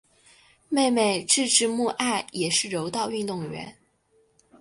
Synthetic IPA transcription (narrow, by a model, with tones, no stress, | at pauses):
me˥˩ɪme˨˩ɪʈ͡ʂɻ̩˥˩ʈ͡ʂɻ̩˧˥mu˥˧ʔa˥˩ɪjɛ˨˩ʂɻ̩˥˩ɻo˧˥ʊt̪ɑ˥˧ʊy˥˧nt̪ʊ˥˩ŋɥɛ̰˧˥n